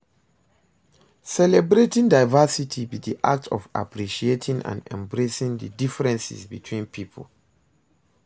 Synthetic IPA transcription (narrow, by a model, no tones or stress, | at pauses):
sɛlɛbɾetĩŋdaɪvasitʰibidiʔak̚tʰɔva̰pʰɹiʃietʰĩŋã̰nɛ̰̃mbɹesĩŋdədifɹɛ̃nsḭzbḭtʰwĩnpʰipʰə̰l